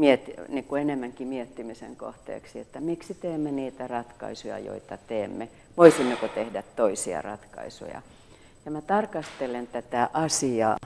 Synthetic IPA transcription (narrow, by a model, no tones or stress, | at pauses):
miet̪ːinikuenemːæŋkimiet̪ːimisḛŋko̰ht̪ḛːksiet̪ːæmiksit̪eːmːeniːt̪ærɑt̪kɑ̰isujɑ̰jo̰it̪ɑt̪eːmːe | ʋoisimːekot̪ehdæt̪toisiɑ̰rɑ̰t̪kɑ̰isṵjɑ̰ | jɑmæt̪ɑrkɑst̪elent̪æt̪æʔɑsiɑ̰ː